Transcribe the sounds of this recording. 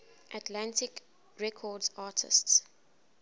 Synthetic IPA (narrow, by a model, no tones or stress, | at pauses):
ʔatʰlãntɪk | ɹɛkʰɔdzaːtʰɪ̰sts